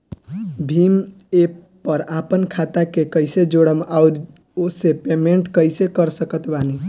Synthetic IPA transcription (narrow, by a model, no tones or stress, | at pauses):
bʱim | e | pəɾapənkʰat̪akekəɪsed͡ʒoɽəmauɾ | osepemeɳʈkəjsekəɾsəkət̪bani